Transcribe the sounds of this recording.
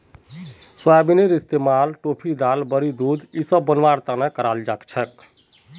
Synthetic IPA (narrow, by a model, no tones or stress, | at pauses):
swabineɾist̪emalʈopʰid̪albəɾid̪ud̪isəbːənʋaɾt̪anakəɾald͡ʒakt͡ʃʰɛk